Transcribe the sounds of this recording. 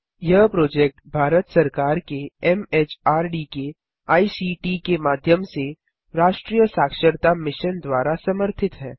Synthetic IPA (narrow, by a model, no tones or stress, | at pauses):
jɐɦpɾoːd͡ʒɛːk̚ʈbʱaːɾət̪sɐɾkaːɾkeɛmeːt͡ʃaːɾɖike | aːisiʈikemaːd̪ʱjəmse | ɾaːʃʈɾiːjəsaːkʃəɾt̪amɪʃənd̪waːɾasɐməɾt̪ʰɪt̪ɦɛː